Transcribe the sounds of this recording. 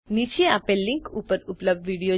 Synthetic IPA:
nit͡ʃieapelːiŋkupəɾupləb̚ɖʋiɽijo

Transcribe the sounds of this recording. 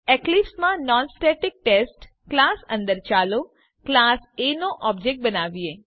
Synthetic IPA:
ɛklipsmãnɔnsʈeʈɪk̚ʈesʈ | klasə̰̃nd̪əɾt͡ʃalo | klasenoʔɔb̚d͡ʒek̚ʈ̚bənaʋie

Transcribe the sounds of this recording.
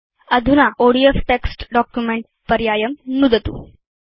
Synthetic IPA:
əd̪ʱunaʔoɽiefʈeksʈɖɔkjumeɳʈ | pəɾjaːjəmnud̪ət̪ṵ

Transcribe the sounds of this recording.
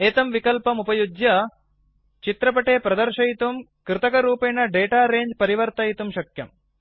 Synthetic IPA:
eːt̪ɐmʋikɐlpɐmupɐjudjɐ | t͡ʃit̪ɾɐpɐʈeːpɾɐd̪ɐɾʃɐjit̪umkɾɪt̪ɐkɐɾuːpeːnːɐɖeːʈaːɾeːɲd͡ʒpɐɾiʋɐɾt̪ɐjit̪umʃɐkjɐ̰m

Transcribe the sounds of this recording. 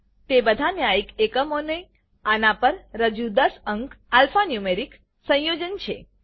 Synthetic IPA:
t̪ebəd̪ʱanjaikekəmonə | anapəɾːəd͡ʒud̪əsəŋkalfanjumeɾik | sə̃jod͡ʒənt͡ʃʰe

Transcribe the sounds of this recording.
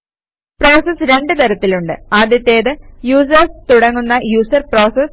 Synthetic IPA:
pro̞ːsɐsɾe̞ɳɖɨt̪ɐɾɐt̪ːiluɳɖɨaːd̪jɐt̪ːe̞ːðɨjuːs̬ɐrst̪uɽɐŋːunːɐjuːsɐrpro̞ːsɐs

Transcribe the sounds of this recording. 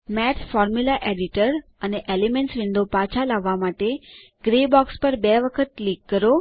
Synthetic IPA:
mɛt̪ʰfɔɾmjulaʔeɖiʈəɾəneʔelemeɳʈsʋĩnd̪opat͡ʃʰalaʋːamaʈeɡ̥ɾebɔkspəɾbɛʋəkʰət̪̚likːəɾo

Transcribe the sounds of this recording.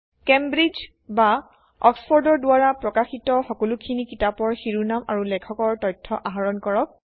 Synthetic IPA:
kɛmbɹid͡ʒ | ba | ɔksfʰɔɹdɔɹdʊaɹapɹɔkaxitɔxɔkɔlukʰinikitapɔɹxiɹunamaɹulɛkʰɔkɔɹtɔjtʰːɔʔaɦaɹɔnkɔɹɔk̚

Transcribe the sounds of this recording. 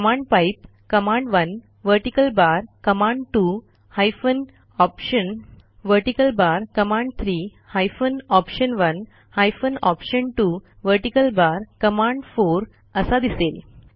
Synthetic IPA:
kəmãɳɖpaip̚ | kəmãɳɖʋən | ʋəɾʈikəlbaɾkəmãɳɖʈu | hajfən | ɔpɕən | ʋəɾʈikəlbaɾkəmãɳɖt̪ʰɾiː | hajfənɔpɕənʋən | hajfənɔpɕəɳʈu | ʋəɾʈikəlbaɾkəmaɳɖfoɾ | əsad̪isel

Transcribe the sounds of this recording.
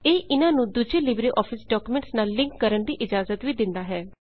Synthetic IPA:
eːʔɪnãːnũːd̪uːd͡ʒeːlɪbɾeːʔɔːpʰɪsɖɔːkuːmẽɳʈsnaːlːɪ̃ŋkːəɾəɳd̪iːʔɪd͡ʒaːzət̪ʋiːd̪ɪnd̪aːɦɛː

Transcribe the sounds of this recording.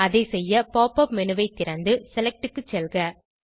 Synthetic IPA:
ɐðɐɪsɛjːɐpoːpːɐpmɛnɯʋɐɪt̪ːɪɾɐnd̪ɯsɛlɛk̚ʈɯkːɯt͡ʃːɛlɣɐ

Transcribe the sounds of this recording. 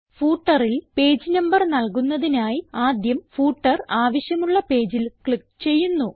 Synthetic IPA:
fuːʈːɐrilpe̞ːd͡ʑɨnɐmbɐrnɐlkunːɐðinaːjiaːd̪jɐmfuːʈːɐraːʋɐɕjɐmuɭːɐpe̞ːd͡ʑilkɭik̚t͡ɕe̞jːunːu

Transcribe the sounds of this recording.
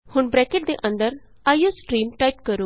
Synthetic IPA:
hʊɳbɾɛkeʈ̚d̪eʔə̃nd̪əɾ | aːjosʈɾiːmʈaɪp̚kəɾoː

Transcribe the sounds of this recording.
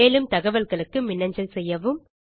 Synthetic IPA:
eːlɯmt̪ɐɣɐʋɐlɣɐɭɯkːɯmɪnːɐɲd͡ʒɐlsɛjːɐʋɯm

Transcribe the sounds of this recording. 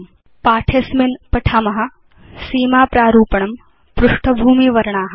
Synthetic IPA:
paːʈʰesminpɐʈʰamɐɦɐ̆ | siːmaːpɾaːɾuːpɐɳɐm | pɾuʂʈʰɐbʱuːmiʋɐɾɐɳaːɦɐ

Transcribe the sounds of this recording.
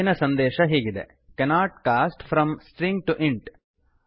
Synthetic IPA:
inɐsɐnd̪ɛːʃɐɦiːɡid̪ḛ | kɛnaːʈkaːsʈfʰɾɐmsʈɾiŋɡ̚ʈuʔiɳʈ

